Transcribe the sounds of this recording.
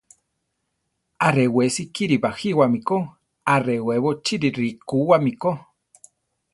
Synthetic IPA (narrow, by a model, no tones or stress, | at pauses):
aɾewesikiɾiβahiwamiko | areweβot͡ʃiɾiɾikuwamiko